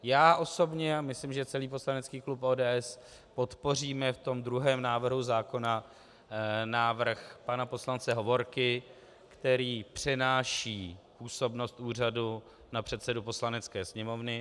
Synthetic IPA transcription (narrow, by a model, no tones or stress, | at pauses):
jaːʔo̞so̞bɲɛamɪslɪmʒɛt͡sɛliːpo̞slanɛt͡skiːklupʔoːdɛːʔɛs | po̞t̪po̞r̝iːmɛft̪o̞md̪ɾuɦɛːmnaːvr̩ɦuzaːko̞na | naːvr̩xpanapo̞slant͡sɛɦo̞vo̞ɾkɪ | kt̪ɛɾiːpr̝̥ɛnaːʃiːpuːso̞bno̞st̪ʔuːr̝adu | napr̝̥ɛt̪sɛdupo̞slanɛt͡skɛːsɲɛmo̞vnɪ